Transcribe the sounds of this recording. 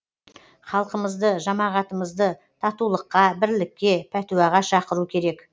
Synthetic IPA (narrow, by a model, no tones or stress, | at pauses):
χɑlˠqəməzd̪əʒɑmɑʁɑt̪əməzd̪ə | t̪ʰɑt̪ulˠəqːɑbɪɾlɪkʲːe̞pʰæt̪uwɑʁɑʃɑqəɾukʲʰe̞ɾe̞k